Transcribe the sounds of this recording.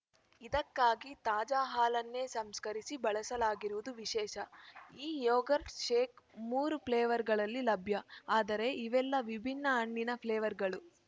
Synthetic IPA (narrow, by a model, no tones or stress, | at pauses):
id̪ɐkːaːɡit̪aːd͡ʒaːɦaːlɐnːe̞ːsɐmskɐɾisibɐɭɐsɐlaːɡiɾuʋud̪uʋiʃɛːʃɐiːjoːɡɐɾʈʃeːkmuːɾupʰleːʋɐɾɡɐɭɐlːilɐbʱjɐaːd̪ɐɾe̞ʔiʋɛlːɐʋibʱinːɐɐɳːinɐpʰleːʋɐɾɡɐɭu